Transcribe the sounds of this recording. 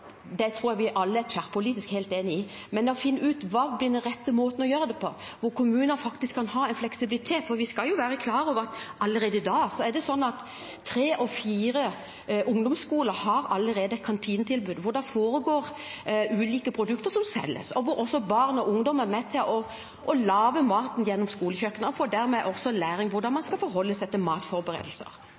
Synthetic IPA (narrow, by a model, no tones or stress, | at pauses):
d̪ɛt̪ʰɾuːɾjæʋɪʔɑlːəæt̪ʰfæʁpʰʊliːt̪ɪskhæɪlt̪eːnɪɪ | mɛnd̪ɛɔfɪnːəɾʉːt̪ʋɑːblɪd̪ɛɾɛt̪ːəmoːt̪n̩ɔjøːɾəd̪ɛpʰɔ | ʋʊɾkʰʊmʉːnəfɑkt̪ɪskʰːɑnhɑːɛnflɛksɪbɪlɪt̪ʰeːt̪fɔɾʋɪskɑljʊʋæːɾəkʰlɑːɾəɔːʋəɾɑt̪ʔɑlːəɾeːd̪əd̪ɑːsɔɛd̪ɛsɔnːɑt̪ʰː | ɾeːʔɔfiːɾə | ʔʊŋd̪ʊmskuːləɾhɑɾɑlːəɾeːd̪əɛt̪̚kʰɑnt̪ʰiːnt̪ʰɪlbʉːd̪ʋʊɖ̪ɑfoːɾəɡoːɾ | ʔʉːliːkəpʰɾʊd̪ʉkt̪əɾʂɔmsɛ̰lːə̰sɔʋʊɾɔsːɔbɑʁnɔʔʊŋd̪ɔməɾmɛt̪ʰɪlʔɔ | ʔɔlɑːʋəmɑːt̪njɛnːɔmskuːləçøkːənəɔfoːɖ̪æɾmɛʔɔsɔlæːɾɪŋʋʊɾd̪ɑnmɑnskɑlfɔɾɦɔlːəst̪ʰːɪlmɑːt̪fɔɾbəɾḛːd̪əl̩sə̰ɾ